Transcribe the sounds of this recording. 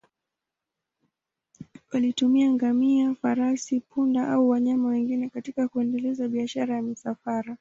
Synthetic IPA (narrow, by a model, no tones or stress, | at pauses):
walitumiaŋɡamiafaɾasipundaʔauwaɲamawɛŋɡinɛkatikakuɛndɛlɛzaɓiaʃaɾajamisafaɾa